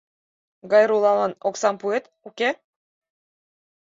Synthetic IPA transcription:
ɡɑjɾulˠɑlˠɑnoksɑmpuet̪ | ukʲe

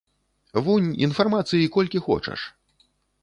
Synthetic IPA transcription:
vunʲḭnfarmat̪sɨjikɔlʲkʲixɔ̰t͡ʂɐ̰ʂ

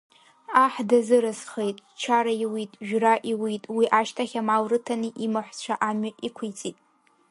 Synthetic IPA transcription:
aħdazɨɾɨsχejtʼt͡ʃʰaɾaiwitʼʒᶣraʔiwitʼwiʔaʃtʰaχʲamawrɨtʰaniʔimɨħʷt͡ʃʷʰaʔamaikʷʰʊjt͡sʼitʼ

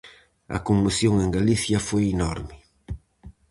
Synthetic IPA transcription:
ɐ̰komːuθjoŋeŋɡaliθjɐfojinɔɾmɪ

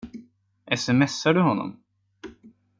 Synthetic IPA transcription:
ʔɛsɛmɛsːaɖɵɦɔnːɔ̰m

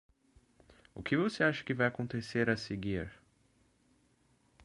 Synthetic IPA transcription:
ʊ̰kɪvoseaʃɐ̥kɪvajakõnt̪eseɾɛseɡiɾ

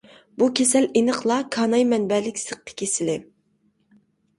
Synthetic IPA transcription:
bukʲʰesɛlʔenəχlˠɑkʰɑːnɑjmɛnbɛlɪkʲsəq̚tʰə̥kʲʰesɪlɪ

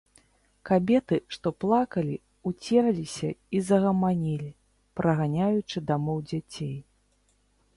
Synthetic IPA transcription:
kabʲɛt̪ɨʂt̪ɔplˠakɐlʲi | ut͡sʲɛɾɐlʲisʲɐizɐɣɐmanʲilʲi | pɾɐɣanʲajut͡ʂɨd̪amɔwd͡zʲat͡sʲej

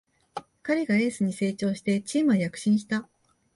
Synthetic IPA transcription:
kaɾʲiɡae̞ːsɨɲ̟ise̞ːt͡ɕo̞ːɕi̥t̪e̞t͡ɕiːmɯajakɯ̟̥ɕĩɰ̃ɕi̥t̪a

